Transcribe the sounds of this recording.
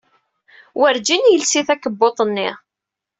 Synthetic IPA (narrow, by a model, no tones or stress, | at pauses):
wəɾd͡ʒinjəlsiθækːəbːot̪ˤənːɪ̰